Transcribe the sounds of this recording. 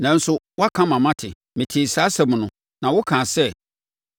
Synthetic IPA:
nã˨n̩˦sʊ˦wɔ˦a˦kʰã˦mã˨mã˦tʰɪ˨ | mɪ̃˨tʰi˨saː˦sɛ˨m̃˨nʊ̃˨ | nã˨wʊ˦kʰãː˨sɛ˦

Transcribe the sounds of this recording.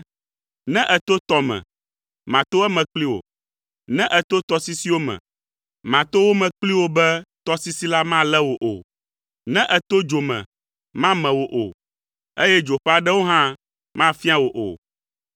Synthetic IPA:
nɛ̃˦ʔɛ˨t̪o˦t̪ɔ˦mɛ̰̃˨ | mã˨t̪o˦ɛ˦mɛ̃˨k͡pli˦wo̰˨ | nɛ̃˦ʔɛ˨t̪o˦t̪ɔ˦si˦si˦wo˦mɛ̰̃˨ | mã˨t̪o˦wo˦mɛ̃˨k͡pli˦wo˦bɛ˦t̪ɔ˦si˦si˦la˦mã˦lɛ˦wo˨ʔo̰˨ | nɛ̃˦ʔɛ˨t̪o˦d͡ʒo˨mɛ̰̃˨ | mã˦mɛ̃˨wo˨ʔo̰˨ | e˦jɛ˦d͡ʒo˨ɸɛ˦a˨ɖɛ˦wo˦ɦã˦ | mã˦fi˦a˦wo˨ʔo̰˨

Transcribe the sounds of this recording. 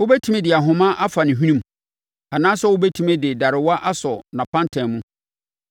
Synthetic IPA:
wʊ˦bɛ˦tʰũ˦mɛ̃˦dɪ˨a˨ɦʊ̃˨mã˦ʔa˦fa˨nɪ̃˨ɦi˦nũ˦m | a˨nãː˦sɛ˦wʊ˦bɛ˦tʰu˦mɛ̃˦dɪ˨da˨ɾɪ˨wa˦ʔa˦sɔ˨nã˨pʰã˦ntʰɛ̃˨mũ˦

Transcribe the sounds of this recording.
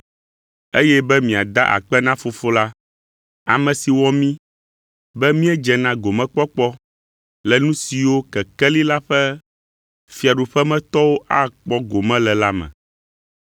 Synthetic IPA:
e˦jɛ˦bɛ˦mĩ˨a˨d̪a̰˦ʔa̰˨k͡pɛ˦nã˦fo˨fo˦la˦ | a˨mɛ̃˨si˨wɔ˦mĩ˦ | bɛ˦mĩ˦ɛ˦d͡ʒɛ˨nã˦ɡo˨mɛ̃˦k͡pɔ˦k͡pɔ˦ | lɛ˨nũ˦si˨wo˦kɛ˨kɛ˦li˦la˦ɸɛ˦ | fi˨a˨ɖu˨ɸɛ˦mɛ̃˦t̪ɔ˦wo˦ʔa˦k͡pɔ˦ɡo˨mɛ̃˦lɛ˨la˦mɛ̰̃˨

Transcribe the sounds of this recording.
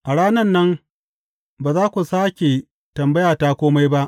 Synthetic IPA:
ʔa˨ɽaː˦nɐ˦˨nːɐ˦m | baː˨zaː˦kʷu˨saː˦kʲe˨ | tɐ˨mbɐ˦jaː˨taː˦kʷoː˦ma˦jba˦ʔ

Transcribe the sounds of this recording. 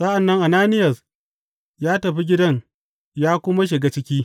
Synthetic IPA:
sɐ˦ʔa˨nːɐ˦ŋʔa˨naː˦nɪ˦jɐ˨s | jaː˦tɐ˨ɸi˦ɡʲɪ˦dɐ˦ɲ | jaː˦kʷʊ˦ma˦ʃ̬ɪ˨ɡaː˦t͡ʃɪ˦kʲiː˦

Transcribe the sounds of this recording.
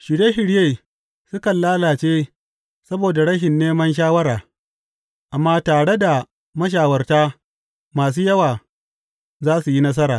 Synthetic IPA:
ʃɪ˨ɽeː˦ɦɪ˨ɽje˦˨ | sʊ˦kɐ˨nlaː˦laː˨t͡ʃeː˦ | sɐ˦boː˨da˨ɽɐ˦ʃɪ˨nːeː˦mɐ˦nʃ̬aː˦wɐ˦ɾaː˨ | ʔa˨mːaː˦taː˨ɽe˦da˨ | mɐ˦ʃ̬aː˨wɐ˦rtaː˦ | maː˨s̬uː˦jɐ˦waː˨ | zaː˦su˨ji˦nɐ˦s̬ɐ˦ɾaː˨

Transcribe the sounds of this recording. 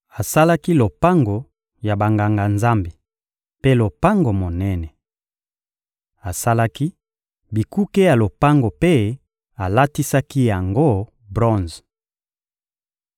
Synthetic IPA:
a˨sa˦la˦ki˦lo˨pa˦ŋɡo˨ | ja˨ba˨ŋɡa˨ŋɡa˨nza˦mbe˨ | pe˦lo˨pa˦ŋɡo˨mo˨nɛ˦nɛ˨ | a˨sa˦la˦ki˦ | bi˨ku˦ke˦ja˨lo˨pa˦ŋɡo˨pe˦ | a˨la˦ti˦sa˦ki˦ja˨ŋɡo˦ | bʁɔ̃˦nz

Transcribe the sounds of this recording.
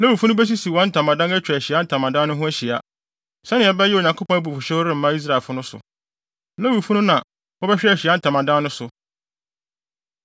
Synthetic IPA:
nã˦wu˨fu˦nʊ̃˦bæ˦s̬i˦si˨wɔ̃˨˦n̩˦tʰã˨mã˨dã˦næ˦t͡ɕᶣæ˨ɕi˨a˦n̩˦tʰã˨mã˨dã˦nʊ̃˦ɦʊ̃˦æ˦ɕi˨a˦ | sɛ˦nɪ̃˨ɛ˨bɛ˦jɪ˦o˨ɲã˨ŋkʰo˦pʰɔ̃˦æ˦bu˨fʊ˨ɕɛ˦ɾɪ̃˦m̩˦mã˦i˦s̬ɾa˨e˨fʊ˦nʊ̃˦sʊ̰˨ | nã˦wu˨fũ˦nʊ̃˦nã˨ | wɔ˦bɛ˦ɕᶣæ˨ɕi˨a˦n̩˦tʰã˨mã˨dã˦nːʊ̃˦sʊ˨

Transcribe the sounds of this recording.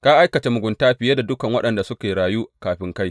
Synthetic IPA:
kaː˦ʔa˦jkɐ˨t͡ʃeː˦mʊ˨ɡʷʊ˨ntaː˦ɸɪ˨je˦da˨dʊ˦kɐ˨ŋwɐ˦ɗɐ˨nda˨sʊ˦kʲeː˨ɽaː˨juː˦kaː˨ɸɪ˦ŋka˦j

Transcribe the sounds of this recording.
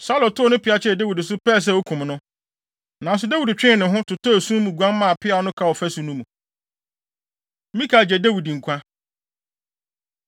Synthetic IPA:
sa˦lɔ˨tʰʊ˦ɔ˨˦nʊ̃˦pɪ˨a˦t͡ɕʰɛ˦˨dæ˦wi˨dɪ˨s̬ʊ˦pʰɛː˦˨s̬ɛ˦˨o˦kʰũ˨mnʊ̃˦ | nã˨n˨s̬ʊ˦dæ˦wi˨dt͡ɕᶣɪ̃˦˨nʊ̃˨ɦʊ̃˦tʰʊ˨tʰo˦˨sũ˦mũ˨ɡʷã˦nmã˦˨a˨pʰɪ˦a˨nʊ̃˦kʰa˦˨wɔ˨fæ˦sũ˨nũ˦mũ˨˦ | mĩ˦kʰa˨d͡ʑɛ˨dæ˦wi˨dŋ̩˨kʷʰã˦

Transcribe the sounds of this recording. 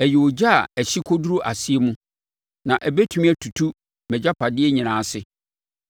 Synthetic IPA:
ɛ˨jɪ˨o˨d͡ʑa˦a̰˨ɛ˨ɕi˦kʰo˦du˦ɾu˦ʔa˨si˦e˦mũ˦ | nã˨ʔɛ˨bæ˦tʰu˦mĩ˦æ˨tʰu˨tʰu˦ | mɛ˨d͡ʑa˦pʰa˨dɪ˦ɛ˦ɲĩ˨nãː˨˦sɪ˦

